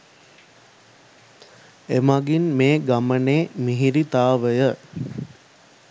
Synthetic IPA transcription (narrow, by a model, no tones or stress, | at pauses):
emaɡinmeːɡaməneːmiɦiɾit̪aːʋəjə